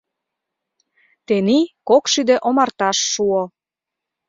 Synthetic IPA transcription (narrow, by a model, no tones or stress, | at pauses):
t̪enikokʃyd̪ĕʔomɑrt̪ɑʃːuo